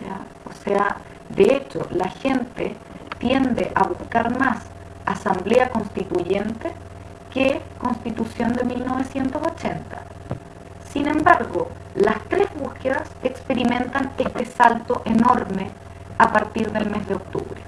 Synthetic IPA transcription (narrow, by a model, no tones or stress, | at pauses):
a | osea | d̪eet͡ʃo̞̰laxe̞nt̪ḛ | t̪je̞nd̪eʔaβuskaɾmas | asambleako̞nst̪it̪uʝent̪e | keko̞nst̪it̪usjo̞nd̪emiilno̞β̞esjent̪oso̞t͡ʃe̞nt̪ḁ̰ | sinẽ̞mbaɾɣo | last̪ɾezβuskeðasekspeɾimẽ̞nt̪anest̪esalt̪o̞ʔeno̞ɾme | apaɾt̪iɾðelmezðeok̚t̪ṵβɾe